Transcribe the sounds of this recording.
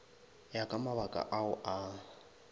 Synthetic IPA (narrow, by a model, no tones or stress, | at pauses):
jakʼamaβakʼa̰ʔaʊʔa